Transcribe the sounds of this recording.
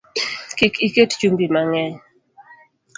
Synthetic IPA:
kikikett͡ʃumbimaŋɛɲ

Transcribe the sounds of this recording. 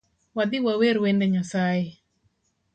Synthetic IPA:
wad̪iwaweɾwɛndɛɲasai

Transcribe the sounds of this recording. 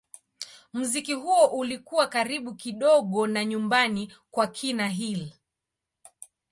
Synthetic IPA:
muzikiɦuɔʔulikuwakaɾiɓukiɗɔɠɔnaɲumbanikwakʰinaɦil

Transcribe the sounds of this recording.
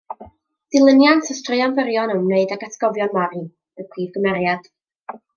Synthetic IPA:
ð̥ɨlˠənjantʰəstrɨanvəɾjɔnəmneɨdaɡatʰɛ̥ɡ̥ɔvjɔnmaɾɨ | əpʰriːvɡəmɛɾjad̥

